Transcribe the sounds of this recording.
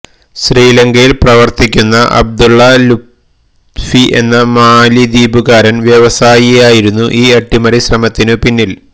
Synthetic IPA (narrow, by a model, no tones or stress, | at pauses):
ɕriːlɐŋɡɐjilprɐʋɐrt̪ikʲːunːɐʔɐ̰b̚d̪uɭːɐlu | fiʔe̞̰nːɐmaːlid̪iːbuɣaːɾɐnʋjeʋɐsaːjijaːjiɾunːuʔiːɐʈːimɐɾiɕrɐmɐt̪ːinɨpinːil